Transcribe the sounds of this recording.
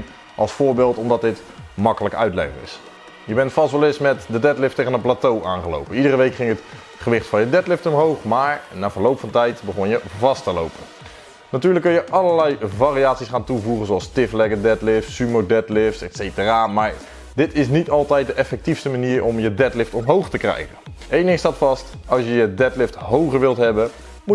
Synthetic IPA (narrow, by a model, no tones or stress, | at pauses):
ʔɑlˠsfʊːɹbɪːlˠtɔmdɑt̚dɪt | mɑkələkəœ̰ɥtlɛ̰χɪ̰ŋɪ̰s | jəbɛntfɑstʋɛlˠɪsmɛtdədɛtlɪftejɣənəplaːtowʔaːnχəlo̰wpənidərəʋejkχɪŋɦət | χəʋɪχtfɑnjədɛtlɪftɔmɦowχmaːɹnaːvəːɹlowpfɑntɛjtbəχɔnjəvɑstəlo̰wpən | natyːɹləkːɵnjəʔɑləɹlɛjvariaːtsisχaːntuvuχənzoɑlˠstɪflɛɡədɛtlɪftsːymodɛtlɪftsɛtsejtəraːmaːɹ | dɪtɪs̬nitɑlˠtɛjt̚dəʔɛfɛk̚tifstəmaniːɹʔɔmjədɛtlɪftɔmɦowχtəkrɛ̰jχən | ejndɪŋstaːtfɑst | ɑlˠsjəjədɛtlɪftɦowχəɹʋɪlˠtɦɛbə | mu